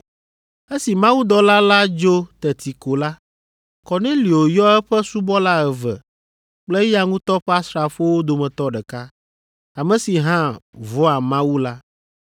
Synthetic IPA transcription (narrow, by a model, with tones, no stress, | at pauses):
e˦si˨mã˦wu˦d̪ɔ˦la˦la˦d͡ʒo˦t̪ɛ˨t̪ʰi˨ko˨la˦ | kɔ˨nẽ˦li˨o˨jɔ˦ɛ˦ɸɛ˦su˦bɔ˦la˦ɛ˨vɛ̰˨ | k͡plɛ˦ja˦ŋũ˦t̪ɔ˦ɸa˦sɾa˨ɸo˦wo˦d̪o˨mɛ̃˨t̪ɔ˦ɖɛ˨ka˦ | a˨mɛ̃˨si˨ɦã˦vɔ˦a˨mã˦wu˦la˦